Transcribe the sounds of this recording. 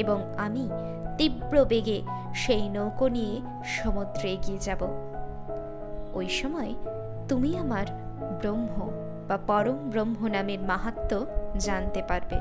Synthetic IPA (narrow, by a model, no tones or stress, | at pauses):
eboŋami | t̪ibɾobeɡeʃejnowkonie | ʃɔmod̪ɾoeɡied͡ʑabo | ojʃɔmɔe | t̪umiamaɾ | bɾomɦo | b̥apɔɾombɾomɦonameɾmaɦat̪ːod͡ʑant̪epaɾbḛ